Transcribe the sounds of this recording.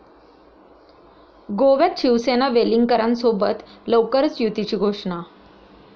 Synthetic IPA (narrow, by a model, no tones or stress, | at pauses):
ɡoʋjat̪ɕiʋsenaʋeliŋɡkəɾansobət̪ləwkəɾət͡sjut̪it͡ɕiːɡʱoʂɳa